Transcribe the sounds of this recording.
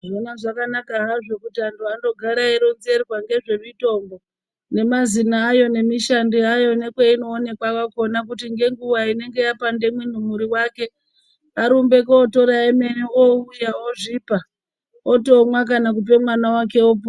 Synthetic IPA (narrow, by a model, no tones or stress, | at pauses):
ʐonaʐakanakaɦaʐo̞kutiantʰuando̞ɡʱaɾaiɾonzerwaŋɡe̞ʐe̞mito̞mbo̞ | ne̞mazinaːjo̞ne̞miʃandiajo̞ne̞kweino̞ːne̞kwakako̞nak̬utiŋɡe̞ŋɡuʋaine̞ŋɡe̞japande̞mwin̤umuɾiwake̞ | aɾumbe̞koːto̞ɾaeme̞nioujaoʐiːpa | oto̞mwak̬anak̬up̬e̞mwanawake̞op̬o